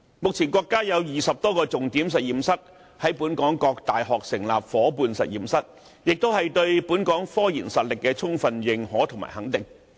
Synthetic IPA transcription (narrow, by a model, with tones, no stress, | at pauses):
mʊ˨k̚t͡sʰiː˨˩nkʷɔː˧kːaː˥jɐ˨˧wjiː˨sɐ˨p̚t̪ɔː˥kɔː˧t͡sʊ˨ŋt̪iː˨˥ms̬ɐ˨t̚jiː˨msɐ˥t̚ | hɐ˨˥jpuː˨˥nkɔː˨˥ŋkɔː˧k̚t̪aː˨jɦɔː˨k̚sɪ˨˩ŋlaː˨p̚fɔː˨˥puː˧nsɐ̰˨t̚jiː˨msɐ˥t̚ | jɪ˨k̚t̪o˥whɐ˨jt̪ɵ˧ɥpuː˨˥nkɔː˨˥ŋfɔː˥jiː˨˩nsɐ˨t̚lɪ˨kːɛː˧t͡sʰʊ˥ŋfɐ˧njɪ˨˧ŋhɔː˨˥t̪ʰʊ˨˩ŋma̰ː˨˩jhɐ˨˥ŋt̪ɪ˨ŋ